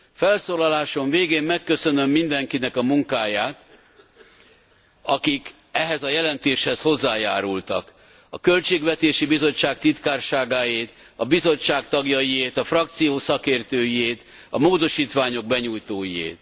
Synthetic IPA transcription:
fɛlsoːlɒlaːʃo̞ɱveːɡeːmmɛkːø̞sønømːind̪ɛŋkinɛkɒmuŋkaːjaːt̪ | ɒkik | ɛɦɛzɒjɛlɛnt̪eːʃhɛsho̞zːaːjaːɾult̪ɒk | ɒkø̞lt͡ʃeːɡʋɛt̪eːʃibizo̞t͡ʃːaːkt̪it̪kaːrʃaːɡaːjeːt̪ | ɒbizo̞t͡ʃt͡ʃːaːkt̪ɒɡjɒjijeːt̪ɒfrɒkt̪sijoːsɒkeːrt̪øːjieːt̪ | ɒmoːd̪o̞ʃiːt̪ʋaːɲo̞ɡ̚bɛɲuːjt̪oːjiḛːt̪

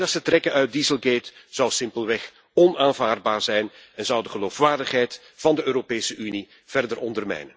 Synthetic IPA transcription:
ɑtsətrɛkənœɥt̚dizəlˠɡeːtz̥ɑwsɪmpəlˠʋɛx | ɔnaːnvaːrd̚baːrzɛjnɛnzʌwdəχəloːfʋaːrdəχɦɛjt | vɑndəøːɾopeːsəʔyni | v̥ɛrdərɔndərmɛ̰jnən

